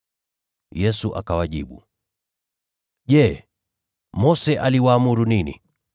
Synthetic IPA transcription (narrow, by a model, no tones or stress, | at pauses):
jɛsuʔa̰kawaʄiɓṵ | ʄɛː | mɔsɛʔaliwaːmuɾuninḭ